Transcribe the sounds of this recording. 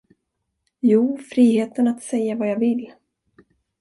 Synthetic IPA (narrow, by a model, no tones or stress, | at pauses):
juːfɾiːɦeːt̪ənat̪sɛjːavajaːvɪl